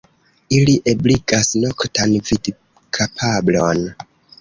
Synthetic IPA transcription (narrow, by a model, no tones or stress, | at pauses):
iliʔebliɡasnokʰtʰanvid | kʰapʰablon